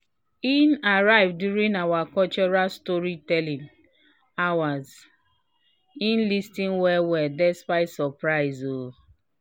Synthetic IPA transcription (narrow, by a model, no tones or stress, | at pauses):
inaɹaɪvdjuɹĩnawakɔlt͡ʃɔɹalstɔɹitɛlĩn | awaz | ĩnlistĩnwɛwɛdɛspaɪtsɔpɹaɪzo